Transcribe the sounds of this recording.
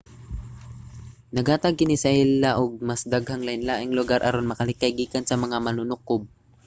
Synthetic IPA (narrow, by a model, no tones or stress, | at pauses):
nɐɡaːt̪ɐɡ̚kɪnisɐʔilːaʔoɡ̚mɐsd̪aɡhaŋlɐɪnlaːʔɪŋlʊɡaɾʔɐɾonmɐkɐlɪkajɡiːkansɐmɐŋamɐnunʊkob̚